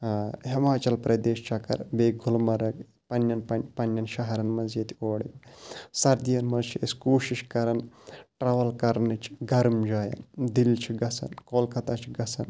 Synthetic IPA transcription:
himaːt͡ʃɐlpɾɐd̪eːʃt͡ʃʰɐkɐ̰ɾbeːɡʱʊlmɐɾɐk | pɐnjɐnppɐnjɐnʃɐɦɐɾɐnmɐzɐt̪ʰioːɽḭbsɐɾd̪ijɐnmɐzt͡ʃʰiɐskoːʃiʃkɐɾɐnʈɾaːʋɐlkɐɾnɨt͡ʃʰi̥ɡɐɾmd͡ʒaːjɐ̰nd̪ilʲt͡ʃʰiɡɐsʰɐ̰nkoːlkɐt̪aːt͡ʃʰiɡɐsʰɐn

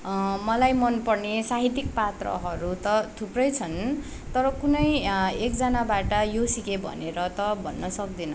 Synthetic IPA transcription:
mʌlajmʌnpʌrnesaɦit̪ik̚pat̪rʌ̰ɦʌɾut̪ʌt̪ʰuprʌjt͡sʰʌn | t̪ʌɾʌkunʌjekd͡zʌnabaʈʌjosikebʱʌ̰neɾʌt̪ʌbʱʌ̰nːʌsʌk̚d̪inʌ̰

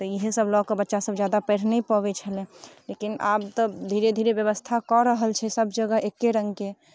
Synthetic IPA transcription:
t̪ɔiɦsəblɔɡkəbətːʃasəbd͡ʒjad̪apɛɾ̤nɛipɔbɛt͡ʃʰəlɛ̃lekinʔa̰ːbt̪ɔd̪ʱiɾed̪ʱiɾebjəβəst̪ʰakɔɾəɦəlt͡ʃʰɛsəbd͡ʒəɡəɦekːeɾə̃ŋɡke

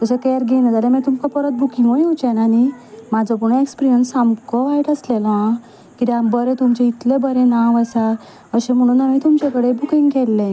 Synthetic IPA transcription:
t̪əsəkeɾɡenad͡zalẽmɛ̃t̪umkɔpəɾət̪̚bʱukʰĩŋɡʋɔjwt͡ɕɛ̃nanimad͡zʱɔp̬əɽ̃uekspɾijənsamkɔʋaiʈəslelã | kit̪ɛambəɾẽt̪umt͡ɕeit̪lebəɾẽnaʋəsa | əɕẽm̤əɽ̃uːnamit̪umt͡ɕekəɽebukiŋɡkɛlːẽ

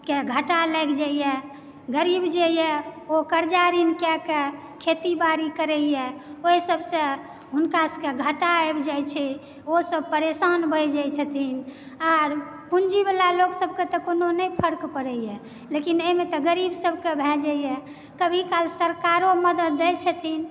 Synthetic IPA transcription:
keɡʱəʈaləkʰd͡ʒaijɛ | ɡəɾibd͡ʒejɛokəɾd͡ʒaɾinkɛke | kʰet̪ibaɾikəɾɛjɛoisəbʱsə̃ | ɦunkaskeɡʱəʈaɛbd͡ʒajt͡ʃʰɛ | osəbpəɾesanbʱəjd͡ʒajt͡ʃʰət̪in | aɾ | pund͡ʒibəlaloksəb̚ʱket̪ɔkononəjpʰəɾkpəɾɛjɛ | lekineimet̪ɔɡəɾibsəbʱkebʱɛd͡ʒəjɛ | kəbʱikalsəɾkaɾoməd̪əd̪ːɛjt͡ʃʰət̪in

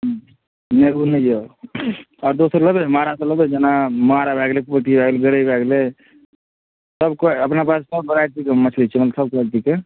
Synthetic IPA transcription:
neɡunəjo | ɔːɾd̪osəɾləbemaɾaseləbed͡ʒenamaɾabʱɛɡlepəʈibʱɛɡleɡəɽəbʱɛɡle | səbkoəpnapassəbbəɾaɾʈ̪ikemət͡ʃʰlit͡ʃʰɛmət̪ləsəb̚kat̪ike

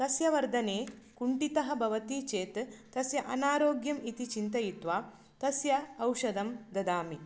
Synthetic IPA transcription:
t̪ɐsjɐʋɐɾd̪ʱɐneːkuɳʈit̪ɐɦɐ̆bʱɐʋɐt̪iːt͡ʃeːt̪ː | ɐsjɐʔɐnaːɾoːɡjɐmit̪it͡ʃint̪ɐjit̪ʋaː | t̪ɐsjɐːwʃɐd̪ɐmd̪ɐd̪aːmi

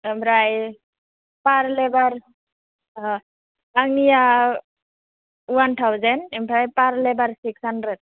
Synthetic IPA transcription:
empʰɾaj | paɾlɛbaɾ | aŋnija | wantʰawzɛnɛmpʰɾajpaɾlɛbaɾsiksandɾɛd̚

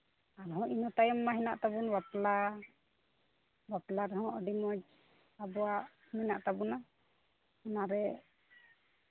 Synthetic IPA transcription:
aɾɦɔ̃ʔinɔt̪ajɔmːaɦɛna̰ʔt̪abunwapla | baplaɾɛɦɔ̃ʔɔɖimɔd͡ʒ | abɔwaʔ | mɛnaʔt̪abuna | ɔnaɾɛ

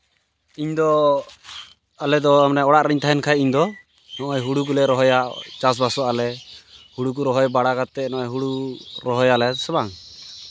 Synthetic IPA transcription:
iɲd̪ɔ | alɛd̪ɔamnɛɔɽaʔɾɛɲt̪ʰaɦɛnkʰajiɲd̪ɔ | nɔʔɔjɦuɽukulɛɾɔɦɔjaʔt͡ʃas̬basɔalɛhuɽuk̬uɾɔɦɔjbaɽaɡat̪ːɛnɔʔɔjɦuɽuɾɔɦɔjalɛsɛbaŋ

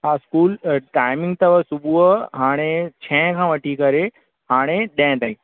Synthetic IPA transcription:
ɦãskuːlʈaːjmɪ̃ŋɡt̪ɐʋəsubuəɦaːɽ̃et͡ɕʰɛ̃kʰãʋəʈikɐɾe | ɦaːɽ̃eɗɛ̃t̪ãĩ

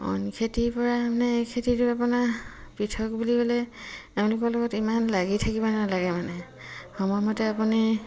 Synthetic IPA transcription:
ɔ̰nkʰetiɹpɔɹamanɛejkʰetitʊapunapɹitʰɔk̚buliɡɔlɛteʊ̃nlʊkɔɹlɔɡɔtimanlaɡitʰakibɔnalaɡɛmanɛ | xɔmɔjmɔtɛapuni

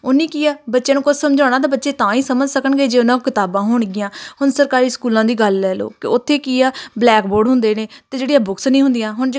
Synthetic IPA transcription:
ʊnːĩːkiːaːbətːʃẽːnũːkʊt͡ʃʰsəmd͡ʒaːɽ̃aːt̪aːbətːʃeːt̪ãːiːsəməd͡ʒsəkəɳɡeːd͡ʒeːʊnãːkːkɪt̪aːbãːɦʊːɳɡɪjãːhʊnsəɾkaːɾiːskuːlãːd̪iːɡəlːɛːlo̰ːkɪʊt̪ʰːeːkiːaːblɛːkboːɾɖɦʊnd̪eːneːt̪eːd͡ʒeːɽijãːbʊksnĩːɦʊ̃nd̪ɪjãːɦʊɳ

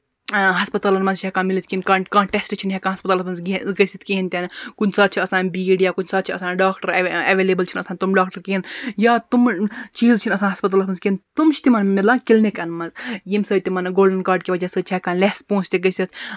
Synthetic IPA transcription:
ɦɐspɐt̪aːlɐnmɐnzt͡ʃʰɛkãːnmilit̪kinkakãːɳʈesʈt͡ʃʰinɦɛkaːnɦɐspɐt̪aːlpɐnzɡɐsʲit̪̚ʰkiɦint̪ʲankunʲsaːd̪̚t͡ʃʰiɐsãːnbiːɖijaːkunʲsaːd̪t͡ʃʰiɐsãːnɖaːkʈəɾɐʋeːleːbəlt͡ʃʰinɐsaːnʲt̪umɖaːkʈɐɾkiinjaːt̪umt͡ʃiːzt͡ʃʰinɐsaːnɦɐspɐt̪alpʰɐnzkint̪umt͡ʃʰt̪imɐnmilaːkilnikɐnmɐzjimsɐːjt̪imɐnɡoːlɖɐnkaːɾɖkiʋɐd͡ʒaːsəːt͡ʃʰɛkaːnlespõːt͡ʃt̪ʲeɡɐsʲit̪ʰ

